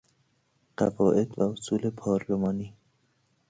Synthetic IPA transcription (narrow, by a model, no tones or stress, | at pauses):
ɢ̥æ̰vɒːʔed̪̥væhosuːlepʰɒːɾlomɒːniː